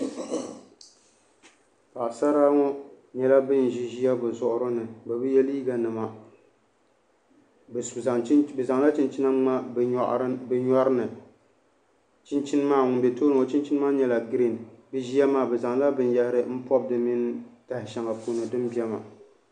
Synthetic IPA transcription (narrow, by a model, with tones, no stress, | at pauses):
ka˨sa˦ɾa˦ŋɔ˦ | ɲɛ˨la˦bɨ˦n˨ʒi˦ʒi˦a˦bɨ˨zʊ˨ʔʊ˦ɾɨ˦nɨ˨ba˨bɨ˦jɛ˦li˦ɡa˨nɨ˨ma˨ | bbɛ˨za˨ŋla˦t͡ʃɪ˦nt͡ʃɪ˦na˦a˦˨ʔbɨ˨ɲɔ˦ɾɨ˦nɨ˨ | t͡ʃɪ˦nt͡ʃɪ˦n˦maː˦ŋʊ˨m˨bɛ˨to˦nɨ˨o˨t͡ʃi˦nt͡ʃɪ˦n˦maː˦ɲɛ˨la˨ɡɾi˦˨nbɨ˦ʒi˦a˦maː˦˨bɨ˨za˨ŋ˦la˦bɨ˨nja˦hɪ˦ɾɨ˦m̩˦pɔ˦b̚dɨ˨mi˦n˦ta˨hɪ˨ʃa˨ŋa˨po˦˨nɨ˨dɨ˦mbi˦ɛ˦ma̰˨